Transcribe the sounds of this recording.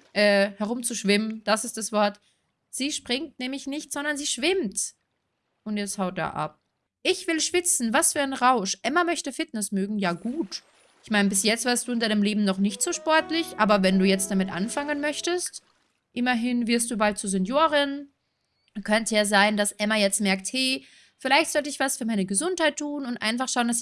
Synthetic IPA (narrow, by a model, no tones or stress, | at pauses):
ʔɛːhɛʁʊmt͡suʃv̥ɪmənd̥asɪst̚d̥asv̥ɔɐt | z̥iːʃpʁ̥ɪŋtnɛːmlɪçnɪçtz̥ɔndɐnziːʃv̥ɪmt | ʔʊntjɛt͡sthaʊt̚d̥a̰ːʔa̰p̚ | ʔɪçv̥ɪlʃv̥ɪt͡sn̩vasfyːɐaɪnʁaʊʃʔɛmamœçtəfɪtnɛsmøːɡŋ̩jaːɡuːt | ʔɪçmaɪnəbɪsjɛt͡stv̥ɛɐstd̥uːɪndaɪnəmleːbm̩nɔχnɪçtz̥oːʃpɔɐtlɪçʔaːbɐvɛnduːjɛt͡st̚d̥amɪtʔa̰nfaŋənmœçtəst | ʔɪmɐɦɪnvɪɐst̚d̥uːbalt̚t͡suːɐzɛnjoːʁɪn | kʰœntəjaːzaɪndasʔɛmajɛt͡stmɛɐk̚thɛ | fɪlaɪçtz̥ɔltəɪçv̥asfyːɐmaɪnəɡəzʊnthaɪtʰːuːnʊntʔa̰ɪnfaχʃaʊəndas